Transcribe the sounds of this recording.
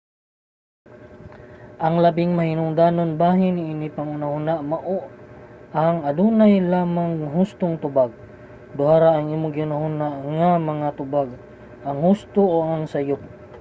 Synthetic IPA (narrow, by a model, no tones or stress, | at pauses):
ʔaŋlabɪŋmahɪnʊŋd̪anonbaɦɪnɪinipaŋʊnahʊnaʔmaʔoʔ | aŋad̪unajlaːmaŋɦʊst̪ʊŋt̪ʊbaɡ̚ | d̪ʊhaɾaːŋʔiːmʊɡiʊnahunaʔŋamɐŋat̪ʊbaɡ̚ | ʔaŋhʊst̪ooaŋsajʊp̚